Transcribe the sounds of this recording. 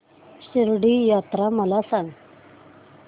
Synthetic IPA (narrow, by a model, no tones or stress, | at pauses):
ɕiɾɖijaːt̪ɾamɐlasan